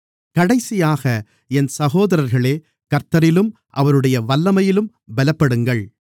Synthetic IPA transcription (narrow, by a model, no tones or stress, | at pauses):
kɐɽɐɪsɪjaːɣɐ | ɛnsɐɣoːðɐɾɐɾɣɐɭeː | kɐɾt̪ɐɾɪlɯm | ʔɐʋɐɾɯɽɐjɐʋɐlːɐmɐjɪlɯm | bɛlɐpːɐɽɯŋɡɐɭ